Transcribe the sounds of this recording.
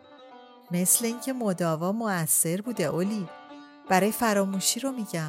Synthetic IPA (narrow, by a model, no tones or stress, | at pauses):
me̞sle̞iŋcʰe̞mod̪ɒːvɒmoæsːe̞ɾbuːd̪e̞ʔoliː | b̥æɾɒːjefæɾɒːmuʃiːɾomiːɟæm